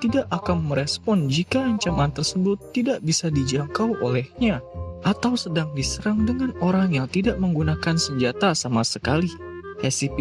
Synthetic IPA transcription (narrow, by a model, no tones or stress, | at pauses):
t̪idaʔakanməɾɛspɔnd͡ʒikaːɲt͡ʃamant̪ərsəbʊt̪ːidaʔbisadid͡ʒaŋkawʔolɛhɲaʔat̪awsədaŋdisəɾaŋdəŋanoɾaŋjat̪idaʔ̚məŋɡunakansəɲd͡ʒat̪asamasəkalihɛsip